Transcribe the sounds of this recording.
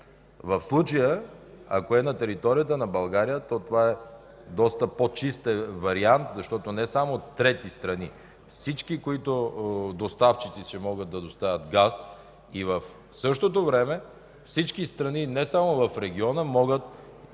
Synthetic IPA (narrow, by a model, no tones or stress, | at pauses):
vəfslˠut͡ʃəjəa̰koɛnɐt̪ɛɾit̪ɔɾijət̪̬ənɐbɐlˠɡaɾijət̪ɔt̪ovaɛ | d̪ɔst̪əpot͡ʃist̪ɛvɐɾiant̪zɐʃt̪ɔt̪onɛsamot̪ːɾɛt̪ist̪ɾɐni | fsit͡ʃkikoit̪od̪ost̪aft͡ʃit̪sisɛmɔɡət̪̚d̪ɐd̪ost̪avʲət̪ɡas | ivɐf | sɤʃt̪ot̪̬ovɾɛmɛ | fsit͡ʃkist̪ɾɐninɛsamovɐfɾɛɡʲiɔnəmɔɡət̪̚